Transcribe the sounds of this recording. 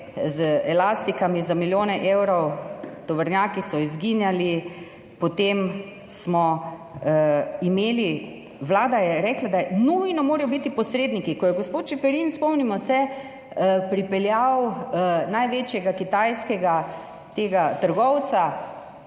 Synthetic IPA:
zɛlast̪ikamizamiljoːnɛʔewɾɔwt̪ɔʋəɾnjaːkisɔizɡinjali | pɔt̪em | smɔ | imeːli | ʋlaːd̪ajɛɾɛːklad̪anujnɔmoːɾajɔbit̪ipɔsɾeːd̪nikikɔjɛɡɔspoːt̪ʃɛfɛɾiːnspɔmnimɔsɛ | pɾipɛljawnajʋeːt͡ʃjɛɡakit̪ajskɛɡa | t̪eːɡat̪əɾɡɔwt̪sa

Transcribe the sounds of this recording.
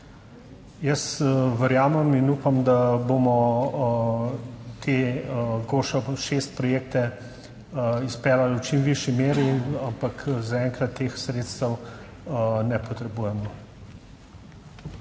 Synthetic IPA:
jɐsʋəɾjaːmɛminuːpamd̪abomɔ | t̪ʰeɡoːʃɔʃest̪̚pɾɔjeːkt̪ɛ | ispɛːlalwt͡ʃimʋiʃimeːɾiampakzaɛːŋkɾat̪ʰːeːxsɾeːt̪st̪əw | nɛpɔt̪ɾɛbuːjɛmɔ

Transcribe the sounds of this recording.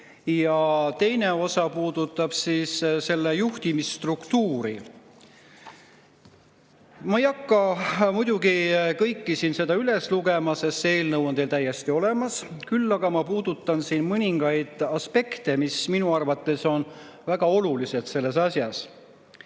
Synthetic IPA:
jɑt̪e̞jne̞o̞sɑpuːd̪̥ut̪ˑːɑb̥siːsse̞lːejuht̪imist̪rukt̪uːɾi | mɑejɑkːɑmujd̪̥ʲuɡikɤjkːisiːnse̞d̪ɑyle̞sluɡe̞mɑse̞st̪ːe̞ːlnɤwo̞nt̪e̞ːlt̪æjːe̞st̪io̞le̞mɑskylːɑɡ̥ɑmɑpuːd̪̥ut̪ːˑɑnsinmɤnʲiŋɡ̥ɑjd̪̥ɑspe̞kt̪e̞misminuɑrvɑt̪ˑːe̞so̞n | væɡ̥ɑo̞lulise̞d̪̥se̞lːe̞sɑsjɑs

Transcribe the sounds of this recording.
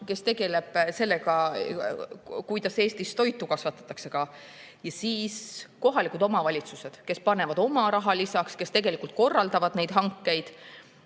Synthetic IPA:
ke̞st̪e̞ɡe̞le̞b̥se̞lːeɡɑ | kujt̪ɑse̞ːst̪ist̪o̞jt̪ːˑukɑsvɑt̪ːˑɑ̥t̪ːˑɑkse̞kɑ | jɑsiːsko̞ɦɑlikˑud̪o̞mɑvɑlʲit̪suse̞d̪̥ke̞spɑne̞vɑd̪o̞mɑɾɑɦɑlisɑkske̞st̪e̞ɡ̥e̞likˑult̪̚ko̞rːɑld̪̥ɑvɑd̪̥ne̞jd̪̥ɦɑŋkːe̞jd̪̥

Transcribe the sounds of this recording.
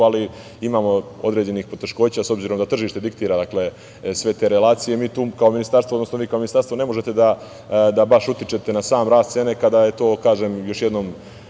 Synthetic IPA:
ali | imaːmo̞o̞̰d̪ɾe̞ːd͡ʑe̞niːxpo̞t̪e̞ʃko̞ːt͡ɕaso̞bziɾo̞md̪at̪r̩ʒiːʃt̪e̞d̪ik̚t̪iːɾad̪akle̞ | sʋe̞t̪e̞ːɾe̞lˠaːt̪sijemiːt̪uːkaominist̪aɾst̪ʋod̪nosnoʋiːkaoinist̪aɾst̪ʋone̞moʒe̞t̪ed̪a | d̪abaʃut̪it͡ʃe̞t̪e̞nasaːmɾaːst̪se̞ne̞kad̪ajet̪o̞ːkaːʒe̞mjo̞ʃjed̪nom

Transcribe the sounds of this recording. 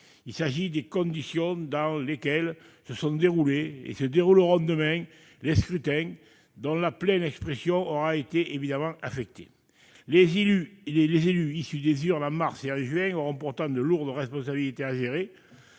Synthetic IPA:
ilsaʒid̪ekɔ̃nd̪isjɔ̃d̪ɑ̃lekɛl | səsɔ̃d̪eʁuleḛsəd̪eʁuləʁɔ̃d̪əmɛ̃ | leskχyt̪ɛ̃ | d̪ɔ̃laplɛnɛkspχesjɔ̃ɔʁaet̪eʔevid̪amɑ̃afɛk̚t̪e̥̰ | leyelezelyisyd̪ezyʁnɑ̃maʁseɑ̃ʒɥɛ̃ŋoʁɔ̃pɔʁt̪ɑ̃nd̪əluʁd̪əʁɛspɔ̃sabilit̪eaʒeʁe

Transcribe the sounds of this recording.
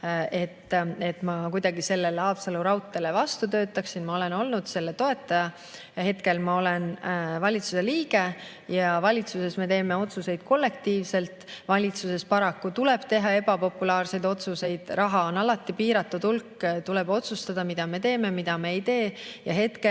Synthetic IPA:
e̞t̪ːe̞t̪ːˑmɑkujd̪ɑɡise̞lːe̞leɑːb̥sɑluɾɑwt̪ːˑe̞le̞vɑst̪ut̪ø̞ːt̪ːˑɑksinmɑo̞le̞no̞lnud̪̥se̞lːe̞t̪o̞e̞t̪ːˑɑjɑ | jɑɦe̞t̪ke̞lmɑo̞le̞nvɑlʲit̪suse̞liːɡe̞ | jɑvɑlʲit̪suse̞sme̞t̪e̞ːme̞o̞t̪suse̞jd̪̥ko̞lːe̞k̚t̪iːvse̞lt̪vɑlʲit̪suse̞spɑɾɑkːut̪ule̞b̥t̪e̞ɦɑe̞b̥ɑpo̞pːˑulɑːrse̞jd̪̥o̞t̪suse̞jd̪̥rʔɑɦɑo̞nɑlɑt̪ːˑipiːɾɑt̪ːˑud̪ulkːt̪ule̞b̥o̞t̪sust̪ɑd̪̥ɑmid̪̥ɑme̞t̪e̞ːme̞mid̪̥ɑme̞ejt̪e̞ːjɑɦe̞t̪ke

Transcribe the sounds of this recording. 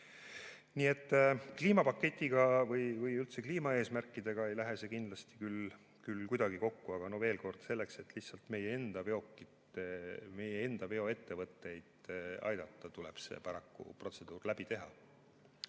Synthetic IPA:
niːet̪ːkliːmɑpɑkːe̞t̪ʲˑːiɡ̥ɑvɤjvɯjylt̪se̞kliːmɑe̞ːsmærkːˑid̪̥e̞ɡ̥ɑe̞jlæɦe̞se̞kind̪lɑst̪i̥kyl | kylkujd̪̥ɑɡ̥iko̞kːuɑɡ̥ɑno̞ve̞ːlko̞rd̪̥se̞lːe̞kse̞t̪ːˑliht̪sɑlt̪me̞jee̞nd̪̥ɑveo̞kːˑit̪eme̞jee̞nd̪̥ɑve̞o̞e̞t̪ːe̞vɤt̪ːe̞jd̪̥ɑ̰jd̪ɑt̪ːɑt̪ulḛb̥se̞̰pɑɾɑkːṵpro̞t̪se̞d̪uːrlæb̥it̪e̞ɦɑ̰

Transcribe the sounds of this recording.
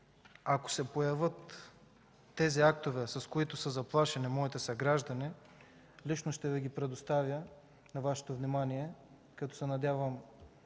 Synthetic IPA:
ako̥sɛpojɐvɤt̪ː | ɛziak̚t̪ovɛsɐskoit̪osəzɐplˠaʃɛnimɔit̪ɛsɐɡɾaʒd̪ɐni | lit͡ʃnoʃt̪ɛvɛɡʲipɾɛd̪ost̪avʲjə | nɐvaʃɛ̥t̪ovnimaniɛ | kɐt̪ɔsɛnɐd̪ʲavəm

